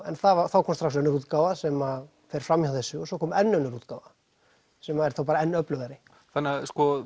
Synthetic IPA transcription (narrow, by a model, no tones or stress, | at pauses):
ɛnθavaθawkʰɔmst̪ɾaksœnːʏɾuːt̪kawvasɛma | fɛɾ̥fɾamjhawθɛsːʏɔsɔkʰɔːmɛnːœnːʏɾuːt̪̚ka̰wva | sɛmaɛɾθawpaːɾaɛnːœplʏɣaɾɪ | θanːaskɔ